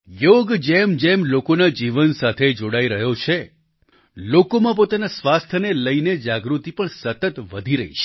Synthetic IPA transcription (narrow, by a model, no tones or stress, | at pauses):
joɡd͡ʒemd͡ʒemlokonad͡ʒiʋənsat̪ʰed͡ʒoɽaiɾəɦjot͡ʃʰe | lokomãp̬ot̪anasʋast̪ʰəneləined͡ʒaɡɾut̪ipəɳsət̪ət̪ʋəd̪ʱiɾəɦḭʃe̥